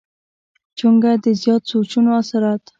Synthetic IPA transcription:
t͡ʃuŋɡad̪əzjɑt̪̚sot͡ʃunoasaɾat̪

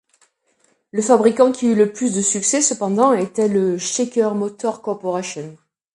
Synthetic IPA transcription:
ləfabʁikɑ̃kʲʰiyləplys̬d̪əsyksɛsəpɑ̃d̪ɑ̃et̪ɛləʃekʲœʁmɔt̪ɔʁkɔʁpɔʁasjɔn

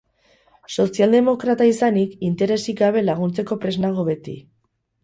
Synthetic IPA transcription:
so̞siald̪e̞mo̞kɾat̪aisanikint̪e̞ɾe̞siɡaβe̞laɣ̞unt͡se̞ko̞pɾe̞znaɣ̞o̞βe̞t̪ḭ

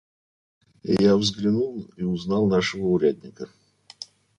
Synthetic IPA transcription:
javzɡɾʲɪnulˠiʊznɑlˠnaʂəvəʊɾʲæd̪ʲnʲɪkə

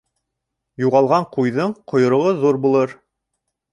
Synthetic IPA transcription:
juʁɑlˠʁɑɴqujðɤɴqŏjŏɾŏʁɤðuɾbulˠɤɾ

